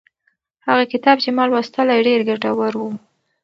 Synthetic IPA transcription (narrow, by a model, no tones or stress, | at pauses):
haɣakɪt̪ɑb̚t͡ʃemɑlwast̪əlajɖeɾɡaʈawaɾwu